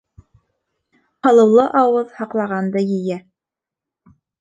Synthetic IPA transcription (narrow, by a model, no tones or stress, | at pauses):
χɑlˠɤ̆wlˠɤʔɑwɤðhɑqlˠɑʁɑnd̪ɤjɘ̆jæ